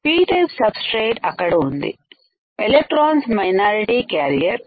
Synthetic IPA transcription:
piːʈɐpsɐbsʈɾeːʈɐkːɐɽɐund̪ḭ | elek̚ʈɾaːnsmɐjnaːɾiʈikaːɾijɐɾ

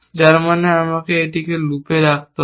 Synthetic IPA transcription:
d͡ʒaɾmaneamakeejʈikelupeɾak̚t̪o

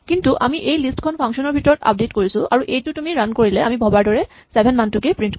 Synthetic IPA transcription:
kintuʔa̰miʔejlistkʰɔnpʰaŋksɔnɔɹbʱitɔɹɔta̰p̚detkoɹisʊʔaɹuʔejtʊtumiɹankoɹilɛamibʱɔbaɹdɔɹɛ | sɛbʱɛnmantukepɹint

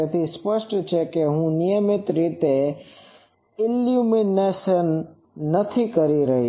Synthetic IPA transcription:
et̪ʰispəʃʈt͡ʃʰekeɦũnijəmɪt̪ɾit̪e | ɪljuminesənː | ət̪ʰikəɾiɾəɦi

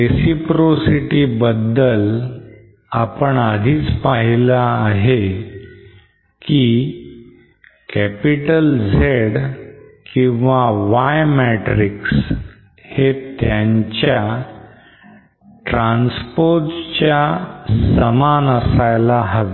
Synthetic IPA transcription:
ɾesipɾosiʈiːbəd̪ːəl | apəɳad̪ʱiːt͡spaɦilaːɦe | ki | kæpiʈəld͡zʱeɽkĩw̃ʋaʋajmɛʈɾiks | het̪jaɲt͡ɕja | ʈɾãnspoɾʈt͡ɕjasəmanəsajlaɦaʋe

